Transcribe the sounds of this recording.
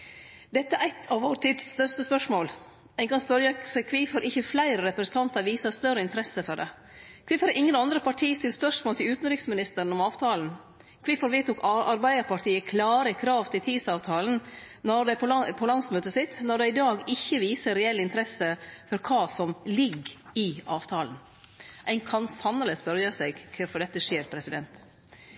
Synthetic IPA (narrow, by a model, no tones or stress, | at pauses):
d̪ɛt̪ːəæɾæɪt̪ʰɑʋʋoːɾʈ̪ʰiːd̪sːt̪œʂt̪əspœʂmoːl | ɛɪnkɑnspœɾjəsɛkʰʋifɔɾʔɪçːəflæɪɾəɾɛpɾəsən̩t̪ʰɑnt̪ɑɾʋiːsəst̪œrəɪnt̪əɾɛsəfɔɖɛ | kʰʋɪːfɑɾʔɪŋːənɑnd̪ɾəpɑʈʰiːst̪ɪlspœʂmoːlt̪ʰɪlʉːt̪n̩ɾɪksmɪnɪst̪əɾən̩ɔmɑːʋt̪ʰɑːln̩ | kʰʋɪːfɔɾʋiːt̪uːkʔɑɾbæɪd̪əɾpɑʈʰiːəkʰlɑːɾəkʰɾɑːʋt̪ʰɪlt̪ʰiːd̪sɑːʋt̪ʰɑːln̩ | nɔɾd̪æpʰɔpʰɔlɑnsmøːt̪əsɪt̪nɔd̪ɛɪd̪ɑːɡɪçːəʋiːsəɾɛɛlːɪnt̪əɾɛsəfɔɾkʰɑːsɔmlɪɡɪɑːʋt̪ʰɑːln̩ | ʔæɪnkʰɑnsɑnːələsbœɾjəsɛɡkʰfɔɖɛt̪ːəʂeːɾpʰɾɛsɪd̪ɛnt̪